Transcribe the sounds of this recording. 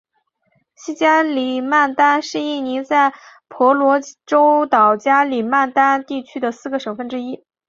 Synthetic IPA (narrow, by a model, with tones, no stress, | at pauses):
ɕi˥t͡ɕja˥li˨˩ma˥˩nt̪a˥nʂɻ̩˥˧i˥˩ni˧˥t͡sa˥˩ɪ | pʰwɔ˧˥lwɔ˧˥ʈ͡ʂo˥ʊt̪ɑ˨˩ʊt͡ɕja˥li˨˩ma˥˩nt̪a˥nt̪i˥˩t͡ɕʰy˥d̪ə˨sɹ̩˥˩ɡə˩ʂɤ˨˩ŋfə˥˩nʈ͡ʂɻ̩˥i˥